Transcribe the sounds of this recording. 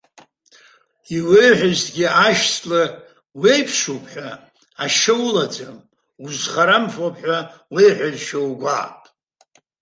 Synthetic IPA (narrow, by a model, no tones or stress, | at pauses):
iwejħʷᶣaztɡʲiaʃt͡sʰʼlɨ | wejpʰʂupʰħʷᶣa | aʃɨwlad͡zam | uzχaɾamħʷapʰʼħʷawejħʷᶣazʃawɡʷa̰ːpʼ